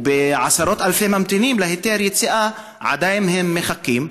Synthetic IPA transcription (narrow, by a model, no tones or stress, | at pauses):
beʕasaɾo̞t̪alfemamt̪inimlaɦet̪eɾjet͡siʔa | ʕa̰d̪ajimɦemːeχakːim